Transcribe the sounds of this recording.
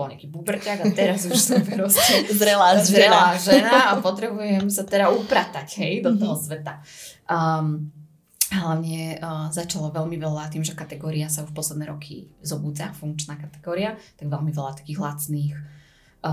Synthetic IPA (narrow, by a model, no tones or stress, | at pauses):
bɔlɲ̰akiːbubr̩caɡat̪ɛɾazuʃsɛmvɛɾɔscɛzɾɛlazɾɛlaːʒɛnaapɔt̪ɾɛbujɛmsat̪ɛɾaupɾat̪acɦɛjd̪ɔt̪ɔɦɔsʋɛt̪a | ɦlaʊɲɛzat͡ʃalɔʋɛlmiʋɛlat̪iːmʒɛkat̪ɛɡɔːɾiasauʃpɔslɛd̪nɛːɾɔkʰḭzɔbuːd͡zafuŋk̚t͡ʃnaːkat̪ɛ̥ɡɔːɾiat̪aɡʋɛlmiʋɛlat̪ḁkiːɣɦlat͡sniːx